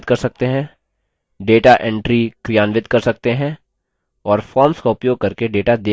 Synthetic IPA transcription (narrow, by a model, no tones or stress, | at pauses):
d̪̚kɐɾsɐk̚t̪eɦɛ̃ | ɖeːʈaʔɛ̃ɳʈɾikɾijaːnʋɪd̪kɐɾsɐk̚t̪eɦɛ̃ | ɔːɾfɔːɾmskoʊpjoːɡ̚kɐɾkeɖeːʈad̪eː